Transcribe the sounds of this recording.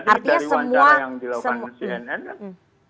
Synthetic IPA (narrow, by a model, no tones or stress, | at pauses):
dart̪iɲasəmuaaŋdilsəmɛnɛn